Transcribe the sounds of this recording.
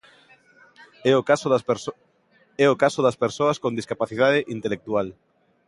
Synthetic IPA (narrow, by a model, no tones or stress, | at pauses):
s | ɛokasoðɐspeɾsoɐskõnd̪iskapaθiðaðeʔint̪elek̚t̪ual